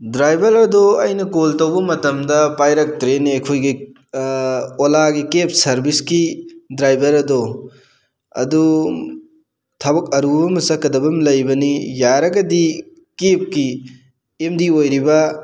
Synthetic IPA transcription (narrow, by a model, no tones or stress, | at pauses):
dɾajbɐɾɐdoɐjnɐkoltɐwbɐmɐtɐmdɐpajɾɐk̚tɾenajkʰojɡi | olaɡikep̚sɐɾbiskidɾajbɐɾɐdo | ɐ̰du | tʰɐbɐk̚ɐɾubɐmɐsɐkːɐdɐbɐmlɐjbɐnijaɾɐɡɐdi | kep̚ki | emdiojɾibɐ